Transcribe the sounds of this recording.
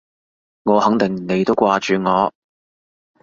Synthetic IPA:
ŋɔː˨˧hɐ˨˥ŋt̪ɪ˨ŋ˨ne˨˧jt̪o˥wkʷaː˧t͡ʃyː˨ŋɔː˨˧

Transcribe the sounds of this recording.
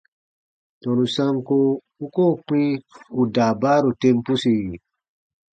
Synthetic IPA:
tɔ̃˨nu˨sa˦mko˦ | u˦ko˦˨k͡pĩ˦u˨daː˨ba˦ɾo˨tẽ˧mpu˦si˨i˨

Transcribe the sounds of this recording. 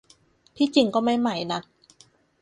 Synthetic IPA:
t̪ʰiː˥˩t͡ɕi˧ŋkɔː˥˩ma˥˩jma˧˩jna˦˥k̚

